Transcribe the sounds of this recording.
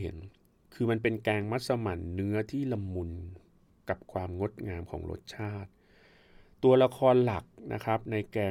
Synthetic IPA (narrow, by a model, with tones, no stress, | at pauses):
hḛ˩˦n | kʰɯː˧ma˧npe˧nkɛː˧ŋma˦˥t̪̚sa˧ma˨˩˦nːɯ˦˥ɐt̪ʰiː˥˩la˧mːu˧n | ka˨˩p̚kʰwaː˧mŋo˦˥t̪̚ŋaː˧mkʰɔ̰ː˩˦ŋɾo̰˦˥t̪̚t͡ɕʰaː˥˩t̪̚ | t̪ːu˧ɐla˧kʰɔː˧nla˨˩k̚nʔa̰˦˥kʰɾa˦˥p̚na˧jkɛː˧